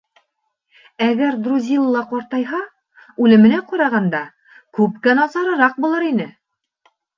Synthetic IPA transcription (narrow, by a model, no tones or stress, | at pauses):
æɡæɾd̪ɾuzʲilˠɤlˠɑqɒɾt̪ɑjɦɑ | ʉlɘ̆mɘ̆næqɒɾɑʁɑnd̪ɑ | kʉpkænɒzɑɾɤ̆ɾɑq̚bulˠɤɾinɘ